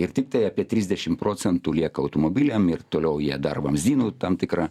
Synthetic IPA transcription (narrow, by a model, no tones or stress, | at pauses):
ɪɾt̪ʲɪk̚t̪ɐɪɑːpʲiɛt̪ʲɾʲɪzʲd̪ʲɛʃʲɪmpɾoːsʲɛnt̪uːlʲiɛkɐɐʊt̪oːmoːbʲɪlʲɛmɪrt̪oːlʲɛʊjiɛd̪ɐrʋɐmzʲiːnuːt̪ɐmt̪ʲɪkɾɑ